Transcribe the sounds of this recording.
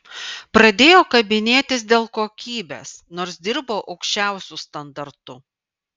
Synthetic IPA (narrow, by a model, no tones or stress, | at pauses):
pɾɐd̪ʲeːjoːkɐbʲɪnʲeːt̪ʲɪsd̪ʲeːlˠkoːkʲiːbʲḛːsnoːɾsd̪ʲɪɾboːʔɒʊkʃʲt͡ʃʲæˑʊsʲʊst̪ɐnd̪ɐɾt̪ʊ